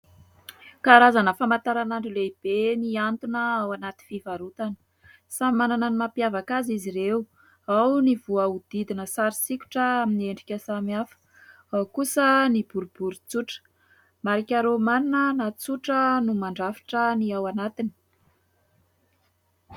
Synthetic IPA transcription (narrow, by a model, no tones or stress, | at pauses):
kaɾazanəfamant̪aɾanaɳɖ͡ʐileib̥eniant̪unəawanat̪infivaɾut̪anə̥ | sammanananimapjavakaziziɾeu | awnivuaud̪̥id̪inəsaɾisikʲu̥ʈ͡ʂəaminieɳɖ͡ʐikʲəsamafə̥ | awkusənib̥uɾubuɾut͡suʈ͡ʂə̥ | maɾikʲaɾomaninənat͡suʈ͡ʂənumaɳɖ͡ʐafi̥ʈ͡ʂəniawanat̪ini̥